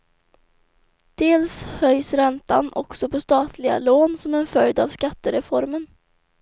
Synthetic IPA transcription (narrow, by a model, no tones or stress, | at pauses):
d̪̥eːlshœjsɾɛnt̪a̰nʔɔ̰ksɔpʰɔst̪ɑːt̪ʰlɪɡa̰loːnsɔmɛnfœld̪avskat̪ːəɾɛfɔɾmən